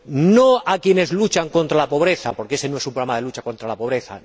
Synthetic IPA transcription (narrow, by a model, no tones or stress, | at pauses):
noakje̞ne̞zlut͡ʃaŋkõ̞nt̪ɾalapo̞βɾe̞θapo̞ɾkee̞se̞no̞e̞sumpɾamaðe̞lut͡ʃako̞nt̪ɾalapo̞β̞ɾe̞θa̰